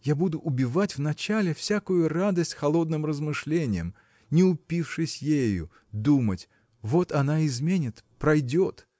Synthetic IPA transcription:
jabud̪ʊʔʊbʲɪvatʲvnɐt͡ɕalʲɪfsʲakʊjʊrad̪əsʲtʲxɐlˠo̞d̪̚nɨmrəzmɨʂlʲenʲɪjəm | nʲɪʊpʲifʂɨsʲjejʊ̰ | d̪umətʲ | vo̞t̪ɐnaɪzmʲenʲɪt̪pɾɐjdʲot̪

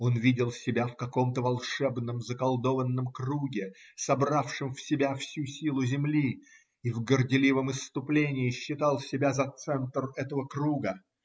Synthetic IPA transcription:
o̞nvʲidʲɪlˠsʲɪbʲafkɐko̞mt̪əvɐlˠʂɛbnəmzəkɐlˠd̪o̞vənːəmkruɡʲɪ | sɐbrafʂɨmfsʲɪbʲafsʲusʲilˠʊzʲɪmlʲi | ivɡərdʲɪlʲivəmɨst̪ʊplʲenʲɪːɕːɪt̪ɑlˠsʲɪbʲazɐt̪sɛnt̪rɛt̪əvəkruɡə

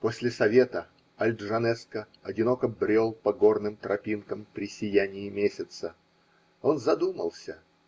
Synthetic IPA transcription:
posʲlʲɪsɐvʲet̪ə | ɐlʲd̪ʐɐnɛskə | ɐdʲɪno̞kəbɾʲe̞lˠpɐɡo̞rnɨmt̪ɾʔɐpʲinkəmpɾʲɪsʲɪjænʲɪɪmʲesʲɪt̪sə | o̞nzɐd̪umə̰lˠsʲə

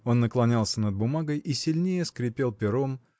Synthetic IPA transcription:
o̞nːəklˠɐnʲalˠsʲənəd̪̚bʊmaɡəjʔisʲɪlʲnʲejəskɾʲɪpʲe̞lˠpʲɪɾo̞m

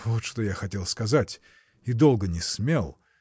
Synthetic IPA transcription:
vot̪ʂt̪ojaxɐtʲelˠskɐzatʲ | id̪o̞lˠɡənʲɪsmʲelˠ

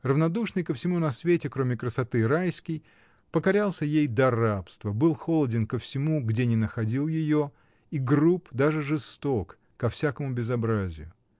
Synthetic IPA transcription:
rəvnɐd̪uʂnɨjkəfsʲɪmunɐsvʲetʲɪkɾo̞mʲɪkɾəsɐt̪ɨɾajskʲɪj | pəkɐɾʲalˠsʲəjejd̪ɐrapst̪vəbɨlˠxolˠədʲɪnkəfsʲɪmuɡdʲenʲɪnəxɐdʲilˠjɪjo | iɡrupd̪aʐɨʐɨst̪okːɐfsʲakəmʊbʲɪzɐbɾazʲɪ̰jʊ

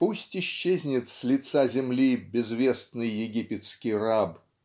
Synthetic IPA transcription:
pusʲtʲɪɕːezʲnʲɪt̪sʲlʲɪt̪sazʲɪmlʲibʲɪzvʲe̞st̪nɨjːɪɡʲipʲɪt̪skʲɪjrab

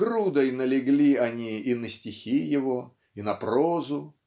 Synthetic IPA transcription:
ɡɾud̪əjnəlʲɪɡlʲiɐnʲiːnəsʲtʲɪxʲijɪvo | inɐprozʊ

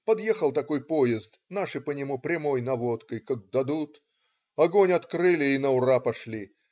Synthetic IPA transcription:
pɐd̪jexəlˠt̪ɐko̞jpo̞jɪzt̪naʂɨpənʲɪmupɾʲɪmo̞jnɐvo̞t̪kəjkak̚d̪ɐd̪ut̪ | ɐɡonʲɐt̪kɾɨlʲɪːnəʊɾapɐʂlʲi

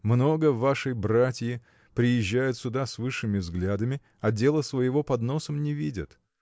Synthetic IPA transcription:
mno̞ɡəvaʂəjbratʲjɪ | pɾʲɪjɪʑːæjʊt̪sʲʊd̪asvɨʂːɨmʲɪvzɡlʲad̪əmʲɪ | ɐdʲe̞lˠəsvəjɪvo̞pɐd̪no̞səmnʲɪvʲidʲɪt̪

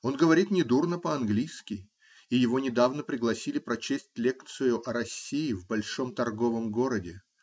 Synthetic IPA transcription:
o̞nɡəvɐɾʲit̪nʲɪd̪urnəpəɐnɡlʲijskʲɪj | ijɪvo̞nʲɪd̪avnəpɾʲɪɡlˠɐsʲilʲɪpɾɐt͡ɕesʲtʲlʲek̚t̪sɨjʊʔɐɾɐsʲːijɪvbɐlʲʂo̞mt̪ɐrɡo̞vəmɡo̞ɾədʲɪ

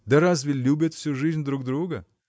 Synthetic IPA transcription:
d̪ɐɾazvʲɪlʲubʲɪt̪fsʲuʐɨzʲnʲd̪ɾuɡd̪ɾuɡə

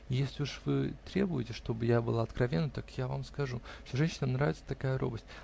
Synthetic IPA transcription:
jesʲlʲɪuʂvɨt̪ɾʲebʊjɪtʲɪʂt̪o̞bɨjabɨlˠaɐt̪kɾɐvʲenːət̪akjava̰mskɐʐuffsʲoʐɛnʲɕɪnəmnɾavʲɪt̪sə̥t̪ɐkajəɾo̞̰bəsʲt̚ʲ

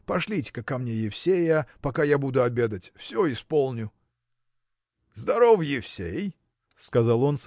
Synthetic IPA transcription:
pɐʂlʲitʲɪ̥kakːɐmnʲe̞jɪfsʲejəpɐkajabud̪ʊɐbʲe̞d̪ətʲfsʲoɪspo̞lˠnʲʊ | zd̪ɐɾofjɪfsʲej | skɐzalˠo̞ns

